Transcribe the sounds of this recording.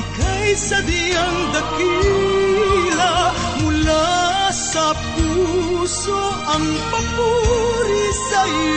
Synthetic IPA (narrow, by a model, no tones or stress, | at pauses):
kɐjsɐd̪iɐŋd̪ɐki | lɐ | mʊlasɐpuso | ʔɐŋpɐmuɾisɐ